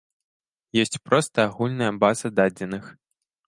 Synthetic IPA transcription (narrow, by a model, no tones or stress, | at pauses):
jɔsʲt͡sʲpɾɔst̪ɐaɣulʲnɐjɐbazɐd̪ad͡zʲɛnɨx